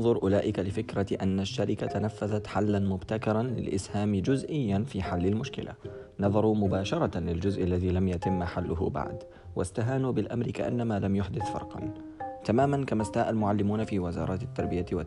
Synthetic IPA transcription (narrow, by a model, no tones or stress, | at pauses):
nðˤʊɾˤʔʊlaːʔɪkalɪfɪkɾaʔanːaʃːaɾɪkat̪anafːaðat̪ħalːanmʊbt̪akɑɾˤɑnlɪ̰lʔɪ̰shaːmd͡ʒʊzʔɪjːanfiːħalːalmʊʃkɪ̰lʔa̰ | nɑðˤɑɾˤumʊbaːʃɑɾˤɑlɪld͡ʒʊzʔalːaðiːlamjat̪ɪmːħalːʊɦʊ̰ba̰ʕd̪ | wa̰st̪aɦaːnuːbɪlʔa̰mɾɪka̰ʔa̰nːamaːlamjʊħd̪ɪθfɑ̰ɾˤqɑ̰n | t̪amaːmankamast̪aːʔalmʊʕalːɪmuːnafiːwɪzɑ̰ːɾˤɑːt̪ɪt̪ːɑɾˤbɪjawa